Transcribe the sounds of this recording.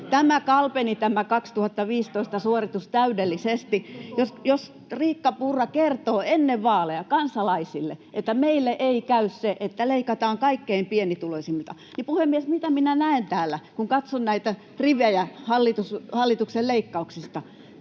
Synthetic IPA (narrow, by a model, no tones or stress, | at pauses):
t̪æmækɑlpenit̪æmækɑkst̪uhɑt̪ːɑʋiːst̪oist̪ɑsuorit̪ust̪æydelːisest̪ijosjos | riːkːɑpurːɑkert̪oːenːeʋʋɑːlejɑkɑnsɑlɑisilːeʔet̪ːæmeilːeʔeikæysseʔet̪ːæleikɑt̪ɑːŋkɑikːeimpienit̪ulosimlt̪ɑ | nipuhemːiesmit̪æminænæent̪æːlːækuŋkɑt̪sonnæit̪æ | riʋæjæhɑlːit̪ushɑlːit̪ukselleikːɑuksist̪ɑ